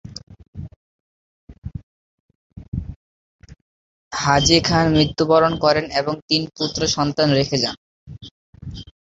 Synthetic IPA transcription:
had͡ʑekʰanmɾit̪ːubaɾonkɔɾeneboŋt̪input̪ːɾoʃɔnt̪anɾekʰed͡ʑan

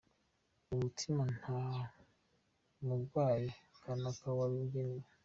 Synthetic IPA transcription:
uβutʰiman̥ha | muɾɡwaːjekʰanakawaβiɡena

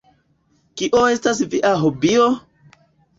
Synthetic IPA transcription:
kiʔoe̞stas̬viʔaɦobio

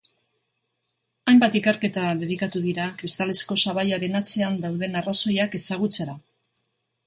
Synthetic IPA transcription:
ajmbat̪ikeɾke̞t̪aðe̞ðikat̪uðiɾakɾist̪ale̞sko̞saβ̞ajaɾe̞nat͡se̞and̪awðe̞naraso̞jake̞saɣ̞ut͡se̞ɾa

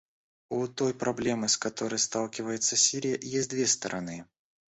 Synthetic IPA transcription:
ut̪o̞jpɾɐblʲe̞mɨskɐt̪o̞ɾəjst̪alˠkʲɪvəjɪt̪səsʲiɾʲɪjəʔjesʲt̚ʲd̪vʲest̪əɾʔɐ̰nɨ

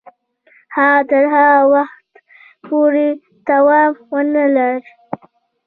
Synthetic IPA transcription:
hat̪əɾɦawaxt̪ | poɾe | d̪̥awɑmwənəlaɾ

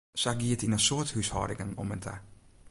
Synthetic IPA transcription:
saɡiətinəsoəthyshɔ̰ːdɪŋəŋɔ̰məntʰə̰

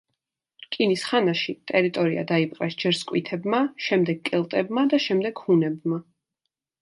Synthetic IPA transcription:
kʼinisχanaʃit̪ʼɛɾit̪ʼɔɾia̰d̪aipʼqʼɛsd͡ʒɛɾskʼwit̪ʰɛbmaʃɛmd̪ɛɡ̚kʼɛlˠt̪ʼɛbmad̪aʃɛmd̪ɛɡ̥hunɛbma

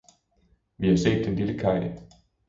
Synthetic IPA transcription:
ʋihɑ̈se̝̰ːd̥ːenliləkʰɑ̈ɪ̰

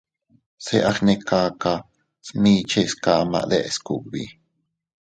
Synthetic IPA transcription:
seʔɑχnekaːkɑ | smiːt͡ʃʰeskaːma̰ʔlɛʔskuʔbi

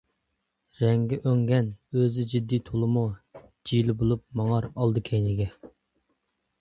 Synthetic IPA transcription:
ɾɛŋɡʲɛʔøŋɡʲɛnøzɪd͡ʒid̪ːijt̪ʰolˠɨmu | d͡ʒijlɪbolˠup̚mɑŋɑɾɑlˠd̪ɨkʲʰɛjnɪɡʲɛ

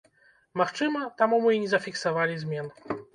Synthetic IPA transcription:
maxt͡ʂɨmɐt̪amumɨinʲɛzɐfʲiksavalʲizʲmʲɛn

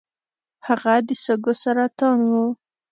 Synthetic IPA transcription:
haɣad̪əsəɡosaɾat̪ɑnwu

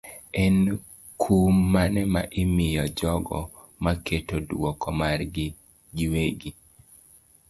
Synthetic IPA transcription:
ɛn | kʰumːanɛma̰ʔɪmɪjɔd͡ʒɔɡɔ̰ | maketodwɔkɔmarɡɪ | ɡiweɡi

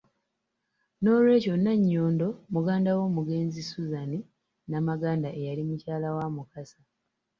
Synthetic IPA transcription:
no̞ːlwe̞ːco̞nːaɲːo̞ːndo̞muɡaːndawo̞ːmuɡe̞ːnzisuzani | namaɡaːndaʔe̞jalimucaːlawamukasa

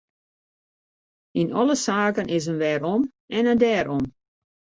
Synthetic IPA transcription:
inɔləsaːkənʔɪsənʋɛːɾɔm | ɛnəndɛːɾɔm

